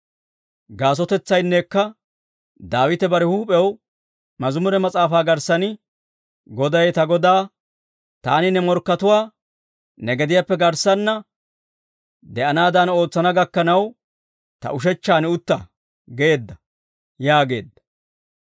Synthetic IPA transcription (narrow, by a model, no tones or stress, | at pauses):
ɡaːs̬ɔt̪ɛt͡sːɐjnːekːɐ | d̪aːwɪt̪ɛbɐɾɛhuːpʼɛw | mɐzʊmʊɾɛmɐt͡sʼaːfaːɡɐɾsɐnɪ | ɡɔd̪ɐjt̪ɐɡɔd̪aː | t̪a̰ːnɪnɛmɔɾkːɐt̪ʊwaː | nɛɡɛd̪ɪjapːɛɡɐɾsɐnːɐ | d̪ɛʔɐnaːd̪ɐno̞ːt͡sːɐnɐɡɐkːɐnɐw | t̪ɐ̰ʔʊʃ̬ɛt͡ʃːaːnɛʊt̪ːɐ | ɡeeːd̪ːɐ | jaːɡe̞ːd̪ːɐ̥